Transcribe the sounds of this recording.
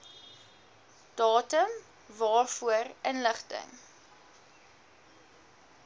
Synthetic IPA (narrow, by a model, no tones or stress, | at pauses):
d̥ɑːtəm | vɑːrfuərənləχtə̰ŋ